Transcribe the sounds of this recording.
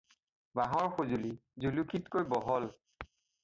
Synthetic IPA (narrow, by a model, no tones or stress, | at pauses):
baɦɔɹxozulizulukʰitkojbɔɦɔl